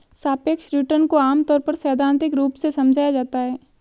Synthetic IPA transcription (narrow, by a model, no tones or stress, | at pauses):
saːpeːkʃɾɪʈəɾnkoaːmt̪ɔːɾpɐɾsɛːd̪ʱãːnt̪ɪkɾuːpsesɐmd͡ʒʱaːjad͡ʒaːt̪aɦɛː